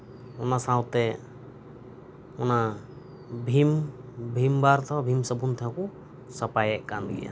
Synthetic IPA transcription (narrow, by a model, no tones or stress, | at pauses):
ɔnasãwt̪ɛ | ɔna | bʱimbʱimbaɾt̪ʰaabʱimsəbunt̪ʰaãkɔ | sapajɛʔkanɡɛ̰ja̰